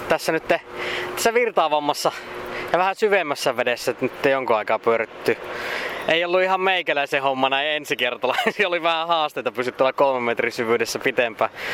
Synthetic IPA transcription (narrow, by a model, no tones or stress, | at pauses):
t̪æsːænyt̪ːet̪æ̥sːæʋirt̪ɑːʋɑmːɑsːɑjɑʋæhæsyʋemːæsːæʋedesːæt̪ːnyt̪ːejoŋkuɑikɑːpyøɾyt̪ːy | ʔeiolːuihɑmmeikælæisehomːɑnæiensikert̪ɑlɑsioliʋæhæhɑːst̪eˑit̪ɑpysyt̪ːuolɑkolmemmet̪risyʋyːdesːæpit̪empæː